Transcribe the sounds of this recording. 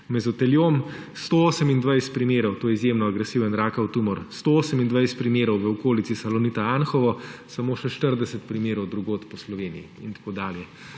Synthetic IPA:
mɛzɔt̪ɛljom | st̪ooːsəmind̪ʋajst̪̚pɾimeːɾɔwt̪oːjɛizjemnɔaɡɾɛsiʋənɾaːkawt̪umɔɾst̪ooːsəmind̪ʋajst̪pɾimeːɾɔwʋəɔkoːlitsisalɔnit̪aanxɔʋɔsamoːʃɛʃt̪əɾd̪ɛsɛt̪pɾimeːɾɔwd̪ɾuɡoːt̪pɔslɔʋeːnijiint̪ḁkoːd̪aːljɛ

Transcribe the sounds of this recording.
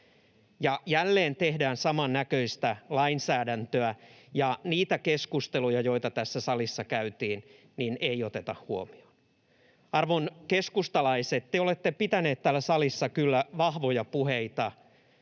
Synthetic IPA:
jɑjælːeːnt̪ehdæːnsɑmɑnːækøist̪ælɑinsæːdænt̪øæjɑniːt̪ækeskust̪elujɑjoit̪ɑt̪æsːæsɑlisːɑkæyt̪iːn | nineiot̪et̪ɑhhuomi̥on | ɑrʋonkeskust̪ɑlɑiset̪t̪eolet̪ːepit̪æneːt̪t̪æːlːæsɑlisːɑkylːæʋɑhʋojɑpuheit̪ɑ

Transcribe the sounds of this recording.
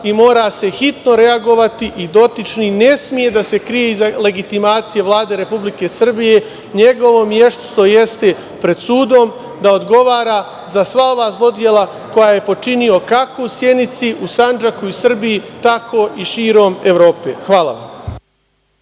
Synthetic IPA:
imo̞ːɾase̞xit̪no̞ɾe̞aɡo̞ʋat̪iʔid̪o̞t̪it͡ʃnine̞smije̞d̪ase̞kɾije̞izale̞ɡit̪imaːt̪sije̞ʋlˠaːd̪eɾe̞publike̞sr̩bije̞ | ɲe̞ɡo̞ʋo̞mje̞ʃt̪st̪o̞je̞st̪e̞ | pɾe̞d̪suːd̪o̞m | d̪ao̞d̪ɡo̞ʋaːɾa | zasʋao̞ʋaːzlˠo̞d̪je̞lˠa | ko̞jaje̞po̞t͡ʃinio̞kakousje̞nit̪siʔusand͡ʒakuisr̩bijit̪akʰo̞ʔiʃiːɾo̞ːmeʋɾo̞ːpḛxʋaːla̰ʋa̰m

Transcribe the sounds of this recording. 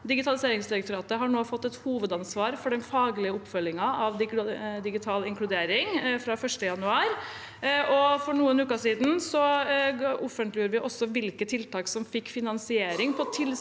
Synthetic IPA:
d̪ɪɡɪt̪ʰɑlɪseːɾɪŋsd̪ɪɾɛk̚t̪ʊɾɑːt̪əɦɑɳoːfɔt̪ːɛt̪huːʋəd̪ɑnsʋɑːɾfɔɖɛnfɑːɡlɪəɔpːfœlːɪŋɑʔɑʋd̪ɪd̪ɪɡɪt̪ʰɑːlɪŋklʉd̪eːɾɪŋfɾɑfœʂʈəjɑnʉɑːɾ | ʔɔfɔɳuːənʉːkɑʂiːd̪n̩sɔ | ɔfənt̪lɪəɾʋɪʔɔsːɔʋɪlkət̪ʰɪlt̪ɑːksɔmfɪkːfɪnɑnsɪeːɾɪŋpʰɔt̪ʰɪl

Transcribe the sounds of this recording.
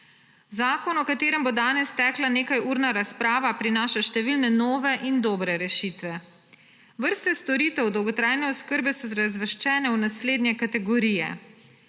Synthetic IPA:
zaːkɔnɔkat̪eːɾɛmbɔd̪aːnɛst̪ɛklaneːkajuːɾnaɾaspɾaːʋapɾinaːʃaʃt̪ɛʋilnɛnɔːʋɛʔind̪ɔːbɾɛɾɛʃiːt̪ʋɛ | ʋəɾst̪ɛst̪ɔɾiːt̪ɛwd̪ɔwɡɔt̪ɾajnɛɔskəɾbɛsɔzɾazʋəʃt͡ʃɛːnɛuwnasleːd̪njɛkat̪ɛɡɔɾiːjɛ̰

